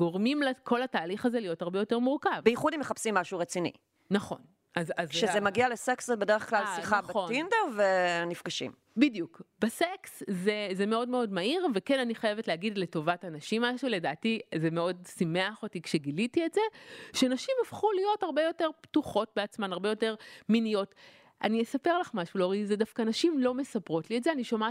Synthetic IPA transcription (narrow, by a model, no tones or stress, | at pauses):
ɡo̞ʁmimlekʰo̞lhataːliχazelijo̞thaʁbejo̞teʁmuʁkavbejiχudimeχapsimːaʃuʁet͡sinḭ | naχo̞n | azazʃezemaɡialeseksebedeʁeχklalsiχaχoindavenifɡaʃḭm | bidjukbesekszezeme̞o̞dmeo̞dmaiʁvekenaniχaje̞vetleaɡidle̞to̞vatanaʃimːaʃule̞daːtizemeo̞dsimeaχo̞tikʃeɡilitietze̞ʃeanaʃimafχulijo̞thaʁbe̞jo̞te̞ʁptuχo̞t̚beat͡smanaʁbejo̞te̞ʁminijo̞t | ʔa̰niesapeʁlaχmaʃuloʁiizedafkanaʃimlo̞me̞sapʁo̞tlietzeaniʃoma